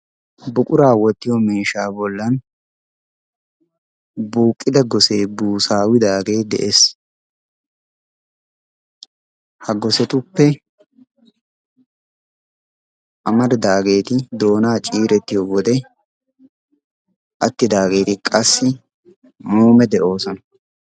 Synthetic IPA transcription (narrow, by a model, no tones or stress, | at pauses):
bʊkʼʊɾaːwɔt̪ːɪjɔmeːʃaːbɔlːɐn | buːkʼːɪd̪ɐɡɔse̞ːbuːsaːwɪd̪aːɡe̞ːd̪ɛ̰ʔes | hɐɡɔsɛt̪ʊpːɛ | ʔɐmɐd̪d̪aːɡe̞ːt̪ɪd̪o̞ːnaːt͡ʃʼiːɾɛt̪ːɪjowɔd̪ɛ | ʔɐt̪ːɪd̪aːɡe̞ːt̪ɪkʼɐsːɪ | muːmɛd̪ɛʔo̞ːsɔnɐ